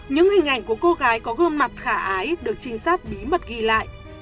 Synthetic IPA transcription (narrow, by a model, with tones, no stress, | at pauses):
ɲɨ̰˧˥ŋhï˨˩ŋ̟ʔa˧˩jŋ̟ku˧˩əko˧ɣaː˨˦jkɔ˨˦ɣə˧əmma˨˩t̚xaː˧˩ʔaː˨˦jɗɨ˨˩ək̚t͡ɕï˧ŋ̟saː˦˥k̚ɓi˨˦mə˨˩t̚ɣi˧˨la̰ː˧˨jʔ